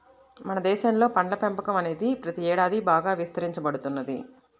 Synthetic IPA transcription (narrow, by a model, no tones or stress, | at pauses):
mɐnɐd̪ɛːʃɐnlo̞ːpɐɳlɐpempɐkɐmɐne̞ːd̪ipɾɐt̪iɛːɽaːd̪ibaːɡaːʋist̪ɐɾiɲt͡ʃɐbɐɽut̪unːɐd̪ḭ